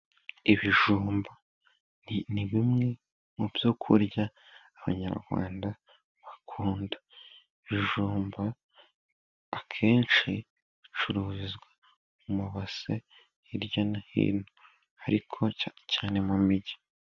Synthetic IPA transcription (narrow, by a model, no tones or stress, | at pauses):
iβiʒuːmba | nniβimŋe̞ | mubjokʰuɾɟaː | βa̰ɲa̰ɾɡwa̰ːnda | βakʰuːnda | iβiʒuːmba | kʰe̞ːnt͡ʃi | βit͡ʃuɾuːzizɡwa | umuβase | iɾjanahḭːno | haɾikʰo̞caːne̞mumiɟi̥